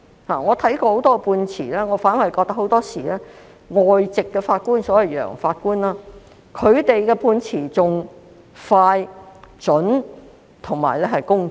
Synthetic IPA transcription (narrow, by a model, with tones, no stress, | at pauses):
haː˨˩ŋɔː˨˧t̪ʰɐ˨˥jkɔː˧ho˨wt̪ɔː˥kɛ˧puː˧nt͡sʰiː˨˩lɛː˥ŋɔː˨˧faː˨˥nɐ˨jkɔː˧k̚t̪ɐ˥ho˨˥wt̪ɔː˥siː˨˩lɛː˥ | ŋɔː˨jt͡sɪ˨kːɛː˧faː˧t̚kuː˥nsɔː˨˥jɐ˨˩wjœ̰ː˨˩ŋfaː˧t̚kuː˥nlaː˥ | kʰɵ˨˧ɥt̪e˨jkɛː˧puː˧nt͡sʰiː˨˩t͡sʊ˨ŋ | faː˧jt͡ʃɵ˨˥n | t̪ʰʊ˨˩ŋma̰ː˨˩jlɛː˥hɐ˨jkʊ˥ŋ